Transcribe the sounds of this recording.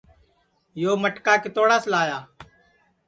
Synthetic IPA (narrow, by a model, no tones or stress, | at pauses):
joːməʈkaːkeːt̪oːɽaːslaːjaː